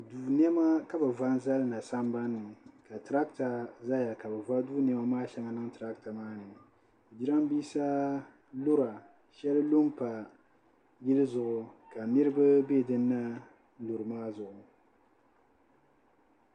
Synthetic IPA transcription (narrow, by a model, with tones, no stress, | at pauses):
duː˨n˦ɛ˦ma˦ka˦bɨ˨va˦n˦za˦lɨ˦na˨sa˦mba˦nːɨ˨ka˨tɾa˦kta˨za˦ja˨ka˨bɛ˨va˦duː˦n˨ɛ˨˦ma˦maː˦ʃɛ˦ŋa˨nɨ˦ŋtɾa˦kta˨maː˦nɨ˨ | d͡ʒi˦ɾa˦m˦biː˦sa˦ | lu˦ɾa˨ | ʃɛ˦lɨ˦lo˦mpa˨ | jɪ˦lɨ˦zʊ˨ʔʊ˨ka˨ni˦ɾɨ˦bɨ˦be˦˨dɨ˦nːa˦ | lu˨ɾɨ˨maː˦zʊ˨ʔʊ˨